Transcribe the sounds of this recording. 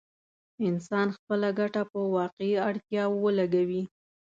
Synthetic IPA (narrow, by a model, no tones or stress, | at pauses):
ɪnsɑnxpəlaɡaʈapəwɑqeiaɽt̪jɑwəlaɡawi